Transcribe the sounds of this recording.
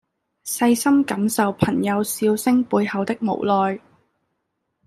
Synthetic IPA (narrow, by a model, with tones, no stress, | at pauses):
sɐ˧jsɐ˥mkɐ˨˥msɐ˨wpʰɐ˨˩ŋjɐ˨˧wsiː˧wsɪ˥ŋpuː˧jhɐ˨˧wt̪ɪ˥k̚mo̰˨˩wlɔː˨˧j